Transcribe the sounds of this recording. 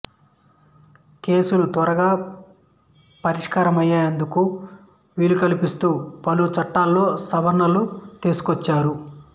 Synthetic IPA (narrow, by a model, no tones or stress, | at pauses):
ke̞ːsulut̪ɐɾɐɡaː | pɐɾiʂkaːɾɐmɐjːaːjɐnd̪uku | ʋiːlukɐlipist̪uːpɐlut͡ʃɐʈːaːlːo̞ːsɐʋɐɾnːɐlut̪eːsu̥kʋɔt͡ʃːaːɾu